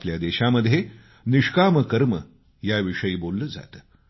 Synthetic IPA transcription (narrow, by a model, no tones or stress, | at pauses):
pljad̪eɕaməd̪ʱːje | niʂkaməkəɾmə | jaʋiʂəjiːbolːəd͡za̰t̪ə